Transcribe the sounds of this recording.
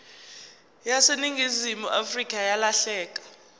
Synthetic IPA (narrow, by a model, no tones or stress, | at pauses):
jaseniŋɡʱizimuʔafrikʼajalaɬɛːk̬ʼḁ